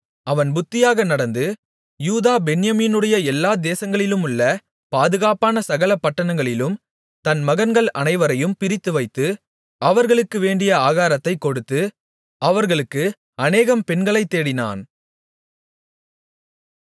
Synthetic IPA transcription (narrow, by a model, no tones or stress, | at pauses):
ɐʋɐnbʊt̪ːɪjaːɣɐnɐɽɐnd̪ɯ | juːðaːbɛnɪjɐmiːnɯɽɐjɐɛlːaːd̪eːsɐŋɡɐɭɪlɯmɯɭːɐ | paːðɯɣaːpaːnɐsɐɣɐlɐpːɐʈːɐɳɐŋɡɐɭɪlɯm | t̪ɐnmɐɣɐnɡɐɭɐ̰nɐɪʋɐɾɐjɯmpɪɾɪt̪ːɯʋɐɪt̪ːɯ | ʔɐʋɐɾɣɐɭɯkːɯʋeːɳɖɪjɐaːɣaːɾɐt̪ːɐɪkːɔɽɯt̪ːɯ | ɐʋɐɾɣɐɭɯkːɯ | ɐneːɣɐmpɛnɡɐɭɐɪt̪ːeːɽɪna̰ːn